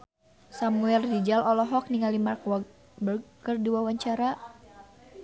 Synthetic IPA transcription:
samuɛldid͡ʒalɔlɔɦɔk̚niŋalimarkwa | bərkərduwawaɲt͡ʃaɾa

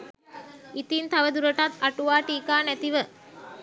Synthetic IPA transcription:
it̪int̪aʋəd̪uɾəʈat̪aʈuʋaːʈiːkaːnæt̪iʋə

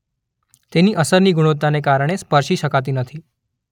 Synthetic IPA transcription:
t̪eniːʔəsəɾniːɡʱuɽ̃ot̪anekaɾəɳ̃espəɾɕiːɕəkat̪̬iːnət̪ʰiː

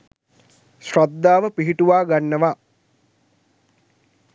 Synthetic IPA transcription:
ʃrad̪ːaːʋəpiɦiʈuʋaːɡanːəʋa

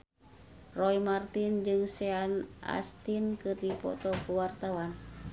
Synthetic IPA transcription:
rɔimart̪ind͡ʒɨŋsɛanʔa̰st̪inkɨrdipɔ̰t̪ɔkuwart̪awan

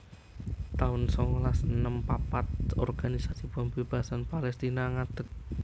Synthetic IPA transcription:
t̪aʊnsɔŋɔlasənəmpapat̪̚ɔ̰rɡ̥anisasibambeb̥a̤sanpalɛst̪inaŋad̪̥ək̚

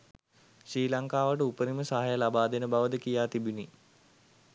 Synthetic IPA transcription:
ɕriːlaŋkaːʋəʈ̬əupəɾiməsaɦajəlabaːd̪enəbaʋəd̪əkijaːt̪ibini

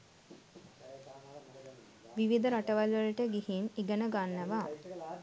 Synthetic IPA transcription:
ʋiʋid̪əɾaʈəʋalʋələʈəɡihiniɡənəɡanːəʋa

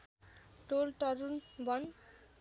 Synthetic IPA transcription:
ʈolʈʌɾunbʱʌn

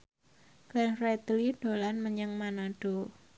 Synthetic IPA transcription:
ɡ̥anret̪liɖ̥o̤lanməɲəŋmanaɖ̥o

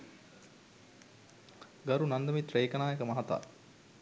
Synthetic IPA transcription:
ɡɐɾunɐnd̪ɐmit̪ɾeːkɐnaːjekəmɐɦat̪a̰ː

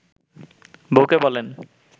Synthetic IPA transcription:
bokebɔlen

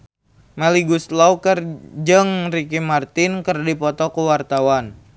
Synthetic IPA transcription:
maliɡuslaukərd͡ʒɨŋrikimart̪ɪnkərdipɔt̪ɔkuwart̪awan

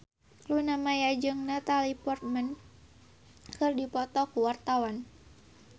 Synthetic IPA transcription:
lunamajad͡ʒɨŋnat̪alipɔrt̪̚mən | kɨrdipɔt̪ɔkuwart̪awan

